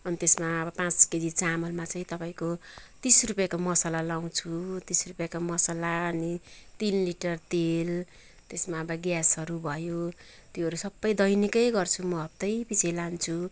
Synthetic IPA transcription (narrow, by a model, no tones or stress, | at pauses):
ʌnit̪esmaʌbʌpãt͡sked̪it͡samʌlmat͡sʌĩt̪ʌpaĩkot̪isrupjakomʌsalalaw̃t͡sʰut̪isrupjakomʌsalaʌnit̪inliʈʌrt̪el | t̪esmaʌbʌɡjasʌɾubʱʌjo | t̪joɦʌɾusʌbːʌjd̪ʌjnikʌjɡʌrt͡sʰumʌʌb̚t̪ʌjpit͡sʰelant͡sʰu